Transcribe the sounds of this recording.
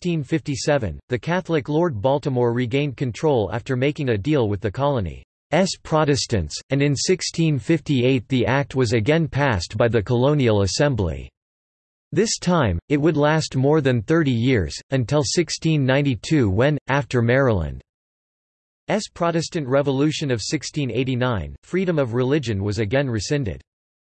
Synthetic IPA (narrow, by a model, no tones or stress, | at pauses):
tĩnfɪftisɛvɨ̰̃nðɨkʰæθl̩ˠɨklɔɹd̚bɑlˠtəmɔɹɹiɡẽɪ̃n̚kʰɨ̃ntʰɹ̥oʊlˠæ̰ftə˞meɪkɪ̃ŋɨdilˠwɨðɨkʰɑlˠənḭ | ɛspʰɹ̥ɑɾɨstɨ̰̃ntsɨ̃nɨ̃nsɪkstʰĩnfɪftieɪt̪̚ðiʔæk̚t̚wʌzɨɡɛ̃npʰæstb̥aɪðɨkʰəlõʊ̃nil̩ˠəsɛ̃mblḭ | ðɪstʰãɪ̃mɨt̚wədˡlæst̚mɔɹðɨ̃nθɜ˞ɾijɪɹz̥ɨ̃ntʰɪlˠsɪkstʰĩnːãɪ̃ntitʰʉwɛ̃ntæftə˞mɛɹəlˠə̰̃nd̥ | ɛspʰɹ̥ɑɾɨstɨ̃nʔɹɛvəlʉʃɨ̃nʌv̥sɪkstʰĩneɪɾinãɪ̃nfɹiɾɨ̃mʌvɹɨlɪd͡ʒɨ̃nwʌzɨɡɛ̃nɹɨsɛ̃ntɨ̰d̥